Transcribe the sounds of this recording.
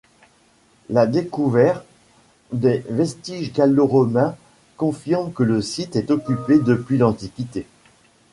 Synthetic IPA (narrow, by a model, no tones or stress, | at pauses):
lad̪ekuvɛʁt̪ | d̪ɛvɛst̪iʒɡʲaloʁɔmɛ̃ | kɔ̃fiʁmkələsit̪ɛt̪ɔkʲyped̪əpɥilɑ̃t̪ikʲit̪e